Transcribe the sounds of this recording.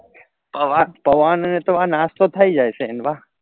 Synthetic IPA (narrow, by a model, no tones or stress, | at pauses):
pəʋapəʋanənet̪oãnast̪ot̪ʰaid͡ʒajsʰeənʋaɦ